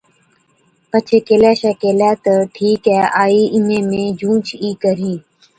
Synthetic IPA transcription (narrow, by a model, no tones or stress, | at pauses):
pət͡ʃʰeːkeːlɛːʃɛːkeːlɛːt̪əʈʰiːkɛːʔaːiːʔɪn̤ẽːmẽːd͡ʒũːt͡ʃʰiːkəɾĩː